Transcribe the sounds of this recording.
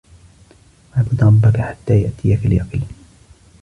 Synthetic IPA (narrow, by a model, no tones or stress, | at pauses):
maːbʊd̪ɾˤɑbːakaħḁt̪ːaːjaʔt̪ijakɪljaqɪl